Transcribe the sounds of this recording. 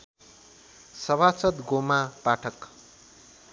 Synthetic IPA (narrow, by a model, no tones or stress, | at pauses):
sʌβʱat͡sʌt̪ɡomapaʈʰʌk